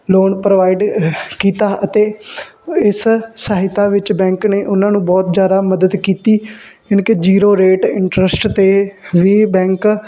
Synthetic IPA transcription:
loːnpɾəʋaːɪɖkiːt̪aːʔət̪eː | ɪssaɦɪt̪aːʋɪt͡ʃbɛ̃ːŋkneːʔʊnãːnũːbɔːt̪zjaːd̪aːməd̪əd̪kiːt̪iː | ɪnked͡ʒiːɾoːɾeːʈɪɳʈɾəsʈt̪eːʋiːbɛ̃ːŋk

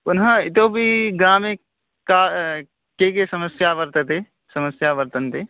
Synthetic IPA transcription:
pʊnɦãɪt̪obʱiɡɾaːmẽ | kaː | kekesɐməsjaʋəɾt̪ət̪e | sɐməsjaʋəɾt̪ənt̪eː

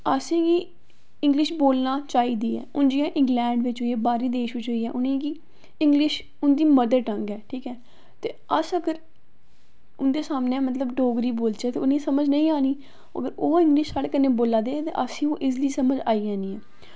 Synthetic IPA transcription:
əsĩːɡiː | ɪ̃ŋɡlɪʃboːlnaːt͡ʃaːiːd̪iːɛ̰ːʊnd͡ʒɪjãːʔɪ̃ŋɡlɛ̃ːɳɖʋɪt͡ʃɦʊiːɛːbaːɾiːd̪eːʃʋɪt͡ʃɦʊiːɛːʔʊnẽːɡiː | ɪŋɡlɪʃ | ʊnd̪iːməd̪əɾʈəŋɡɛːʈʰiːkɛː | t̪eːəsəɡəɾ | ʊnd̪eːsaːmneːmət̪ləbʈoːɡɾiːboːlt͡ʃɛːt̪eːʊnẽːsəməd͡ʒnəĩːaːniː | mə̰ɡəɾoːɪ̃ŋɡlɪʃsaːɽeːkəneːboːlaːd̪eːt̪ḛːʔəsĩːoːʔɪzliːsəməd͡ʒaːiːãːnĩːɛː

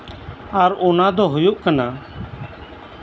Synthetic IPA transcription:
aɾoːnãːd̪oːɦʊjoːʔkənaː

